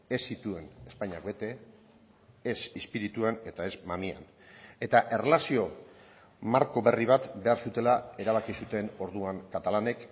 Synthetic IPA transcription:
esːit̪ue̞ne̞spaɲakbe̞t̪e̞ | sispiɾit̪uane̞t̪ae̞zmamia̰n | e̞t̪aʔe̞relasio̞ | maɾko̞βe̞riβ̞at̪be̞aɾsut̪e̞lae̞ɾaβ̞akisut̪e̞no̞ɾðuaŋkat̪alane̞k

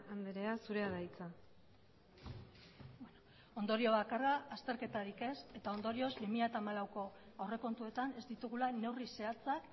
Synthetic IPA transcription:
and̪eɾeasuɾe̞aðajt͡sa | bwen | o̞nd̪o̞ɾio̞βakaraːst̪e̞ɾke̞t̪aɾike̞se̞t̪ao̞nd̪o̞ɾio̞zbimiʎat̪amalawko̞ | awre̞ko̞nt̪ue̞t̪ane̞zd̪it̪uɣulane̞wrise̞at͡sak

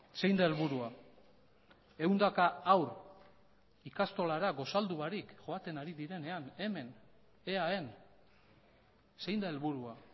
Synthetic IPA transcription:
se̞jnd̪ae̞lβuɾua | e̞wnd̪akaːwɾ | ikast̪o̞laɾaɡo̞sald̪uβaɾikʝo̞at̪e̞naɾiðiɾe̞ne̞ane̞me̞n | eae̞n | se̞jnd̪ae̞lβuɾua

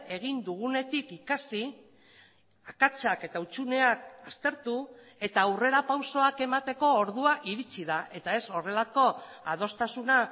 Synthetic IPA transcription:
e̞ɣ̞ind̪uɣ̞une̞t̪ikikasi | akat͡ʃake̞t̪aut͡ʃune̞akast̪e̞ɾt̪u | e̞t̪aːwre̞ɾapawso̞ake̞mat̪e̞ko̞ːɾð̞uaʔiɾit͡siðaʔe̞t̪ae̞so̞re̞lako̞ | að̞o̞st̪asuna

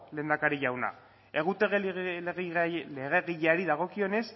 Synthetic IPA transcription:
le̞ːnd̪akaɾiʝawna̰ | e̞ɣut̪eɣeɣleɣe̞ɣiʎaɾiðaɣ̞o̞kio̞ne̞s

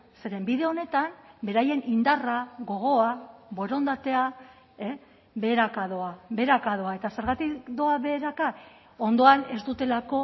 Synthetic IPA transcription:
se̞ɾe̞mbiðe̞o̞ne̞t̪ambe̞ɾaje̞nind̪araɣo̞ɣ̞o̞aβo̞ɾo̞nd̪at̪e̞a | e | be̞ːɾakaðo̞abe̞ɾakaðo̞ae̞t̪ase̞ɾɣat̪ikd̪o̞aβe̞ɾaka | ond̪o̞ane̞st̪ut̪e̞lako̞

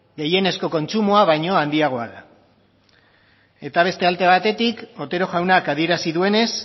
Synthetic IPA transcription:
ɡe̞je̞ne̞sko̞ko̞nt͡ʃumoaβ̞ajɲo̞and̪iaɣ̞o̞aða | e̞t̪aβ̞e̞st̪e̞alt̪e̞β̞at̪e̞t̪iko̞t̪e̞ɾo̞ʝawnakað̞ie̞ɾasiðue̞ne̞s

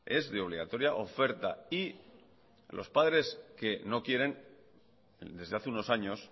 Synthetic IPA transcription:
e̞zðeo̞βliɣat̪o̞ɾjaʔo̞fe̞ɾt̪a̰i | lʔo̞̰spaðɾe̞ske̞no̞kje̞ɾe̞n | d̪e̞zðe̞aθeuno̞saɲo̞s

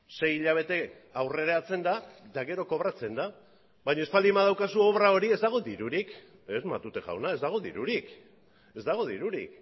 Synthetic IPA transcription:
se̞jiʎaβ̞e̞t̪e̞ | awre̞ɾeat͡se̞nd̪ad̪aɣe̞ɾo̞ko̞βɾat͡se̞nd̪a | bajɲaespalimaðawkasuo̞βɾao̞ɾie̞zd̪aɣ̞o̞d̪iɾuɾik | ezma̰t̪ut̪e̞ʝa̰wnae̞zd̪aɣ̞o̞ðḭɾuɾik | e̞zd̪aɣ̞o̞ð̞iɾuɾḭk

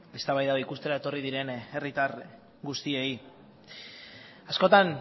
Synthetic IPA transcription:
est̪aβajðaoikust̪e̞ɾae̞t̪o̞rið̞iɾe̞ne̞rit̪ar | ɡust̪ie̞i | asko̞t̪an

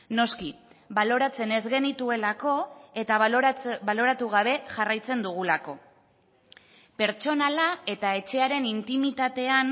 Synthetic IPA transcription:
no̞ski | βalo̞ɾat͡se̞ne̞zɣe̞nit̪ue̞lako̞e̞t̪aβalo̞ɾat̪uɣ̞aβ̞e̞ʝarajt͡se̞nd̪uɣulako̞̰ | pe̞ɾt͡ʃo̞nalae̞t̪ae̞t͡ʃe̞aɾe̞nint̪imit̪at̪e̞an

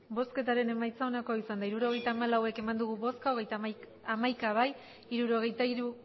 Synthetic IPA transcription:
bo̞ske̞t̪aɾe̞ne̞majt͡saonako̞isand̪aiɾuɾo̞ɣ̞e̞jt̪aːmalawe̞ke̞mand̪uɣuβo̞skaoɣe̞jt̪a | amajkaβaj | iɾuɾo̞ɣ̞e̞jt̪aiɾu

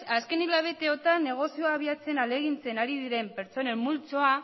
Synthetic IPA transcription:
aske̞nilaβ̞e̞t̪eo̞t̪anːe̞ɣ̞o̞sioaβ̞iat͡se̞nale̞ɣ̞int͡se̞naɾið̞iɾe̞mpe̞ɾt͡so̞ne̞mːult͡so̞a

